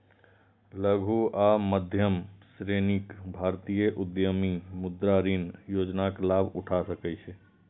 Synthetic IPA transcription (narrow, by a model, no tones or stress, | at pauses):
ləɡʱuaməd̪ʱjəmsɾenikbʱaɾt̪ijəʔud̪jəmimud̪ɾaɾinjod͡ʒnakelabʱuʈʰasəkɛt͡ʃʰɛ